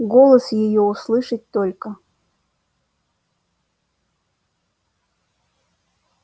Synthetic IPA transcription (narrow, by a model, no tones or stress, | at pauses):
ɡolˠəsjɪjouslˠɨʂət̚ʲt̪olʲkə